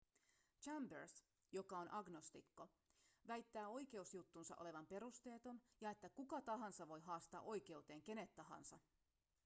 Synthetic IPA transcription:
t͡ʃæmbers | jo̞kɑonʔɑɡno̞st̪ikːo̞ | ʋæjt̪ːæːo̞jke̞usjut̪ːunsɑ̰ʔo̞le̞ʋɑmpe̞ɾust̪e̞ːt̪o̞njɑe̞t̪ːækukɑt̪ɑɦɑnsɑʋo̞jɦɑːst̪ɑ̰ːʔo̞jk̟e̞wt̪e̞ːŋk̟e̞ne̞t̪ːɑɦɑ̰nsɑ

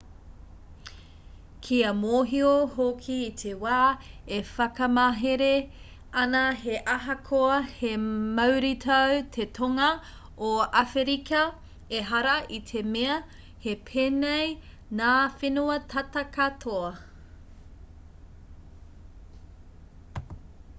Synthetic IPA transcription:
kʰiɐmoːɦioɦokʰiːtʰewaːefɐkɐmɐɦeɾe | ɐnɐheʔɐɦɐkʰoɐhemɐwɾitʰɐwtʰetʰoŋɐ | oɐfeɾikɐ | eɦɐɾɐʔit̪ʰe̞meɐ | he̞pʰeːnej | naːfenuɐtʰɐtɐkɐtʰoɐ

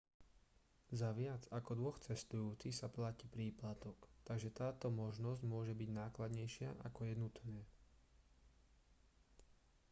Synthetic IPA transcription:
zaʋɪad͡zakɔd̪ʋɔxt͡sɛst̪ujuːt͡sixsaplacipɾiːplat̪ɔkt̪aɡʒɛt̪aːt̪ɔmɔʒnɔzɟmʊɔʒɛbiɟnaːklad̪ɲɛjʃɪaʔakɔjɛnut̪nɛː

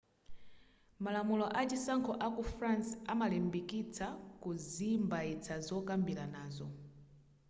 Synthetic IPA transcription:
malamulɔʔat͡ʃisaŋkʰɔʔakufɾansamalɛmbikit͡sakuzimbait͡sʰazɔkambilanaːzɔ

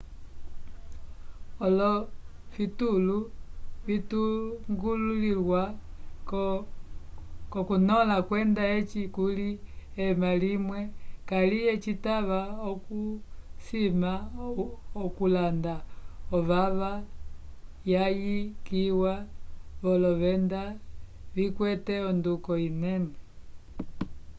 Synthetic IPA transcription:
ɔlɔfitulufituŋɡululilwa | kɔkunɔlakwɛndaet͡ʃikuliɛmalimwɛkalijɛt͡ʃitaβaɔkusima | ɔkulandaɔβaβa | jajikiwaβɔlɔβɛnda | βikwɛtɛɔndukɔinɛnɛ

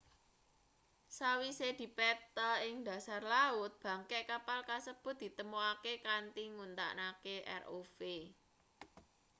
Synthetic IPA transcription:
sawised̪̥i̤pɛt̪aɪŋd̪̥ä̤sarlaʊt̪̚b̥ä̤ŋkɛʔkapalkasəb̥ʊ̤t̪̚d̪̥i̤t̪əmoakekant̪iŋunt̪a̰ʔnakeʔɛ̰rofe

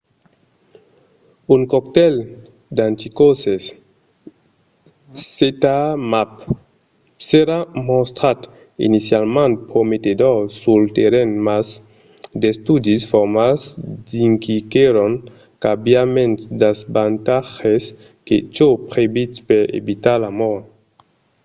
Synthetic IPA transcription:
uŋkɔkt̪el | d̪ãnt̪ikoses | et̪amap | seɾamost̪ɾat̪ | ḭnisjalmãnt̪̚pɾomet̪ed̪oɾsult̪eɾenmas | d̪est̪ud̪isfɔɾmazd̪iŋkikeɾoŋ | kabjamẽnt̪sd̪azbant̪axes | ket͡ʃopɾebitpeɾḛbit̪alamɔɾ

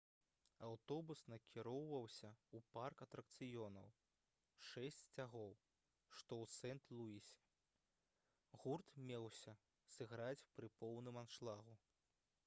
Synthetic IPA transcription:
awt̪ɔbusnɐkʲʰiɾɔwvɐwsʲɐuparkɐt̪ɾɐk̚t̪sɨjɔnɐ̰w | ʂɛsʲt͡sʲsʲt͡sʲaɣɔw | ʂt̪ɔw̪sɛnt̪lˠuisʲi̥ | ɣurt̪mʲɛwsʲɐ | sɨɣɾat͡sʲpɾɨpɔwnɨmanʂlˠaɣu

